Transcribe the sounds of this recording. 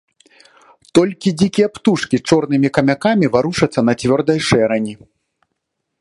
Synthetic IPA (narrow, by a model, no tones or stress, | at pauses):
t̪ɔlʲkʲid͡zʲikʲijɐpt̪uʂkʲit͡ʂɔrnɨmʲikɐmʲakamʲivaɾuʂɐt̪sːɐnɐt͡sʲvʲɔrd̪ɐjʂɛɾɐnʲi